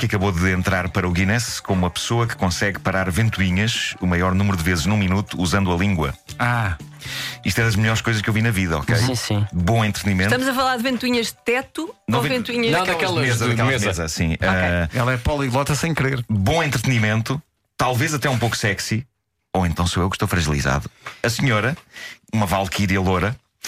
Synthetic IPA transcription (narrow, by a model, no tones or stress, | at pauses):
kɐkɐβoðɨẽnt̪ɾaɾpɐɾɐuɣinɛskommumɐpsoɐkɨ̥kõsɛɣpɐɾaɾvẽnt̪uiɲɐʃumɐjɔɾnumɾuðɨvezʒnũminut̪uːzɐ̃nd̪uɐlˠĩŋɡwɐ̰a | iʃt̪ɛðɐʒmɨʎɔɾʃkojzɐʃkewvinɐviðɐɔ̰kejsĩsĩbõẽnt̪ɾt̪ɨnimẽt̪ɐmuzɐfɐlˠaɾðvẽnt̪wiɲɐʒðt̪ɛt̪unɐ̃vẽvẽnt̪wiɲɐnɐ̃ɛɐkɛlˠɐɐmezɐɐɛlˠmezɐmɐzɐsĩaɛlˠɐɛpɔlˠilˠɔt̪ɐsɐ̃j̃kɾeɾbõẽnt̪ɾt̪ɨnimẽnt̪u | t̪alˠvezɐt̪ɛũpowku̥sɛksi | oẽnt̪ɐ̃w̃soewʃt̪ofɾɐʒilˠiza̰ðuɐsɲɔɾɐumɐvalˠkʰiɾiɐlˠoɾɐ